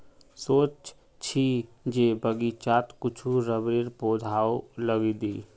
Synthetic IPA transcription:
sot͡ʃ | t͡ʃʰid͡ʒebəɡit͡ʃat̪kut͡ʃʰuɾəbɾeɾpod̪ʱaoləɡid̪i

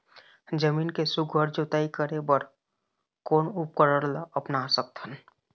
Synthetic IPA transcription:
d͡ʒəmiːnkesuɡʱəɾd͡ʒot̪aːikəɾebəɾ | koːnup̚kəɾəɾlaəpnasək̚t̪ʰən

